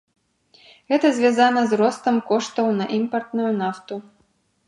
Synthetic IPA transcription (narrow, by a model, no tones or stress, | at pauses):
ɣɛt̪ɐzʲvʲazanɐzrɔst̪ɐmkɔʂt̪ɐwnɐʔimpɐrt̪nujunaft̪u